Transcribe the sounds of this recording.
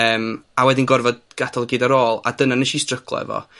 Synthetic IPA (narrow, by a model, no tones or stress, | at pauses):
əːmawɛdɪnɡɔrvɔd̚ɡ̥atʰɔlˠɡɪdəɾoːlˠa̰dənanɪʃistrəɡʰlˠɔ̰ɛ̰vɔ̰